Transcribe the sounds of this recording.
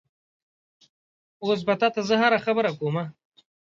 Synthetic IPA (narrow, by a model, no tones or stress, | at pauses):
oːs̬bat̪at̪azəɦaɾaxabəɾakoːma